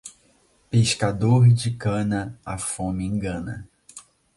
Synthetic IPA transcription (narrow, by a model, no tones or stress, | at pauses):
peʃkad̪oɾd͡ʒɪkɐ̃nɐafõmɪẽŋɡɐ̃nɐ